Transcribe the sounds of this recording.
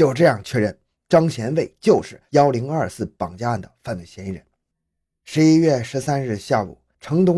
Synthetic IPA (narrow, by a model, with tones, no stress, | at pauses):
t͡ɕjo˥˧ʊʈ͡ʂɤ˥˧jɑ˥˩ŋt͡ɕʰɥɛ˥˧ɻə˥˩n | ʈ͡ʂɑ˥ŋɕjɛ˧˥nwe˥˩ɪt͡ɕjo˥˧ʊʂɻ̩˥˩jɑ˥ʊli˧˥ŋɐ˞˥˧sɹ̩˥˩pɑ˨˩ŋt͡ɕja˥a˥˩nd̪ə˩fa˥˧nwe˥˩ɪɕjɛ˧˥ni˧˥ɻə̰˧˩n | ʂɻ̩˧˥i˥ɥɛ˥˩ʂɻ̩˧˥sa˥nɻɻ̩˥˧ɕja˥˩ṵ˨˩˦ | ʈ͡ʂʰɤ˧˥ŋt̪ʊ˥ŋ